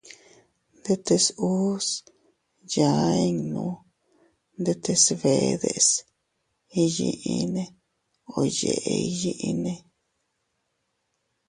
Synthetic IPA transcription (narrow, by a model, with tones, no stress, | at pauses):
nd̪e˧t̪e˧su˦s | ja˨e˦ŋnũ˨˦ | nd̪e˧t̪e˧sβe˨ðḛ˧s | i˧jḭ˧ʔi˧nẽ˧ | o˧jḛ˨ʔe˧i˦ji˦ʔi˧nẽ˧